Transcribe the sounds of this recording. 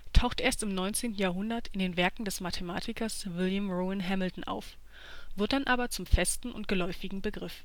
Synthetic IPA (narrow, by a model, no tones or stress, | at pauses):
tʰaʊxtʔeːɐstɪmnɔʏnt͡seːntn̩jaːɐɦʊndɐtɪndeːnvɛɐkŋ̩dɛsmatʰəmaːtʰɪkʰɐsvɪljəmʁoːɪnɦɛml̩tn̩ʔa̰ʊf | vɪɐt̚d̥anʔaːbɐt͡sʊmfɛstn̩ʔʊ̰ntɡ̥əlɔʏfɪɡŋ̩bəɡʁɪf